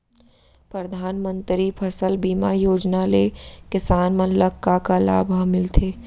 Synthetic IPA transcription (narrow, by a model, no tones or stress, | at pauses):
pɾəd̪ʱaːnmə̃nt̪ɾipʰəsəlbiːmajoːd͡ʒnalekɪsaːnmə̃nləkːakala̰ːbʱamɪlt̪ʰeː